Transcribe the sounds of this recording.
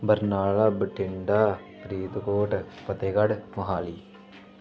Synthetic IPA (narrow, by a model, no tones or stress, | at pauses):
bɐɾnaːɭɐbʈʰɪɳɖaː | pɾiːt̪koːʈpɐt̪eːɡɐɽmɐɦaːli